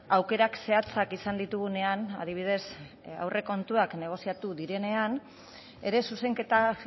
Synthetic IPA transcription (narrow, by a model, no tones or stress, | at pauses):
awke̞ɾakse̞at͡sakisand̪it̪uɣ̞une̞ana̰ðiβ̞ið̞e̞s | a̰wre̞ko̞nt̪uakne̞ɣ̞o̞siat̪uðiɾe̞ne̞an | e̞ɾe̞suse̞ŋke̞t̪a